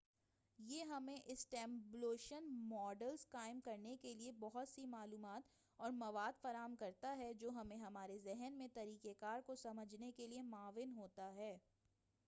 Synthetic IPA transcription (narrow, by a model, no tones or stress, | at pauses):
jeːɦɐmẽʔɪsʈɛ̃ːmbleːʃənmɔːɖəlzkaːɪmkɐɾnekeliebɔɦʊt̪simaːluːmaːt̪ | ɔːɾmɐʋaːd̪fɐɾaːəmkɐɾt̪aɦɛd͡ʒoːɦɐmẽɦɐmaːɾezɛɦɛnmẽt̪ɐɾiːkekaːɾkosɐməd͡ʒʱnekeliemaːʋɪnɦoːt̪aɦɛː